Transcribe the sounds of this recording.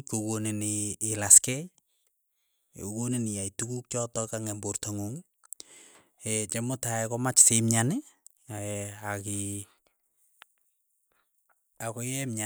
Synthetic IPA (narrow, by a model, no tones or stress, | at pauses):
kokoniniːlaskɛj | o̰koninijaitukuk̚t͡ʃɔtɔkaŋɛmbortoŋoŋi | et͡ʃɛmotaɛkɔmat͡ʃsemɲani | aaki | akojɛmɲa